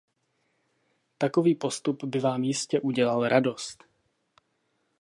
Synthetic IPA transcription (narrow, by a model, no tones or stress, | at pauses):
t̪ako̞viːpo̞st̪upbɪvaːmjɪscɛʔuɟɛlalɾʔado̞st̪